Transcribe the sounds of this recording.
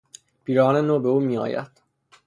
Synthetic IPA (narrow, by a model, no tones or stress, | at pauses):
b̥iːɾɒːnenoːbeuːmiːɒ̰ːjæ̰d̪̥